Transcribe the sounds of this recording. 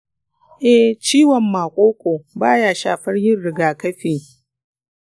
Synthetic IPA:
ʔɛ˦t͡ʃiː˦wɐ˨mːaː˨kʷʼoː˦kʷoː˨baː˦jaː˨ʃaː˨ɸɐ˦rjɪ˦rɽɪ˨ɡaː˨kɐ˦ɸeː˨

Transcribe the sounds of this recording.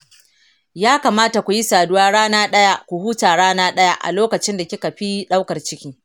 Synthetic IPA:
jaː˦ka˨maː˦ta˨kʷu˨ji˦saː˨dʊ˦waː˦ɽaː˦naː˦ɗɐ˦ja˦kʷu˨huː˦taː˨ɽaː˦naː˦ɗɐ˦ja˦ʔa̰˨loː˦kɐ˨t͡ʃɪ˦nda˨kʲi˦ka˨ɸi˦ɗa˦wkɐ˨rt͡ʃɪ˦kʲiː˦

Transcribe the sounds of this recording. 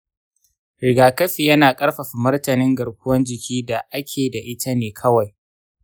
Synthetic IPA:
ɾɪ˨ɡaː˨kɐ˦ɸi˨jɐ˦naː˨kʼɐ˦ɽɸɐ˨ɸi˨mʊ˦rtɐ˨nɪ˦ŋɡɐ˨ɽkʷʊ˦wɐ˦nd͡ʒɪ˨kʲiː˦da˨ʔa˦kʲʰeː˨da˨ʔɪ˦tʰa˦neː˨kʰɐ˦wa˨j

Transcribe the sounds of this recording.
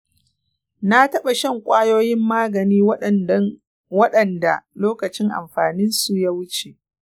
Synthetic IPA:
na˦tɐ˦ɓa˨ʃɐ˦ŋkʷʼaː˦joː˦jɪ˦mːaː˦ɡɐ˨niː˦w | wɐ˦ɗɐ˨nda̰˨loː˦kɐ˨t͡ʃɪ˦ŋʔa̰˨mɸaː˨nɪ˦nsu˨ja˦wʊ˦t͡ʃe˨ʔ

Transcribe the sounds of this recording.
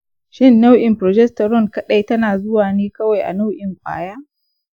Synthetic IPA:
ʃɪ˦nːa˦wʔɪ˨mpɾɔ˨d͡ʒɛ˦stɐ˨ɾɔ˦˨ŋkɐ˦ɗa˦˨jtɐ˦naː˨zʊ˦waː˨neː˦kɐ˦wa˨jʔa̰˨na˦wʔɪ˨mɸʷa̰ː˨jaː˦

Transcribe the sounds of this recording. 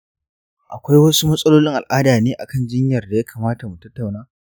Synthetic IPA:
ʔa˨kʷa˦jwɐ˦su˦mɐ˦sʼɐ˦loː˦lɪ˦ŋʔa˨lʔaː˦daː˨neː˦ʔa̰˨kɐ˦˨nd͡ʒɪ˦ɲjɐ˨rda˨jaː˦kʰaː˨maː˦ta˨mu˨tɐ˦tːa˨wnaː˦

